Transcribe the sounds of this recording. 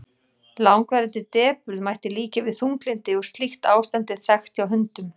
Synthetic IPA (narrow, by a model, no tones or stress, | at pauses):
lawŋkvɛɾɛnt̪ɪt̪ɛːpʏɾðmaːjht̪ɪliːcavɪðθuŋklɪnt̪ɪɔɣst̪lixt̪aːwst̪ant̪ɪθɛxt̪awɦʏnt̪ʏm